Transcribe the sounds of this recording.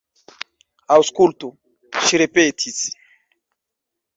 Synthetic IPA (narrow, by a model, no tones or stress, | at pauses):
awskult̪u | ʃiɾepet̪ʰisi̥